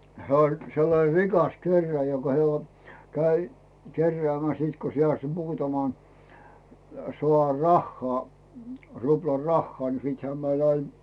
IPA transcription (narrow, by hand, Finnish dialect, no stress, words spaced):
hĕæˑ olʲ selːɑne rikɑs kerːĕæˑjæ jokɑ he olʲ kæi kerːĕæˑmæs siːt ko se ɑs muːtɑmɑn soɑr rɑhːɑː ruplɑr rɑhːɑː ni siːthæː mæl ɑin